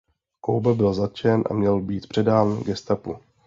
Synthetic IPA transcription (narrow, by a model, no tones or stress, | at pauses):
ko̰wbabɪlzat̪̚t͡ʃɛnʔa̰mɲɛlbiːt̪pr̝̥ɛdaːnɡɛst̪apṵ